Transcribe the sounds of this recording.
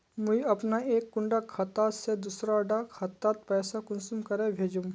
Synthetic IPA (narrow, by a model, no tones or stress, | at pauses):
mʊiɐpnaeːkːʊ̃ɳɖakʰɐt̪ːaːsed̪uːsɾaɖakʰɐt̪ːaːt̪̚pɛːsakʊnsumkɐɾẽbʱeːd͡ʒũm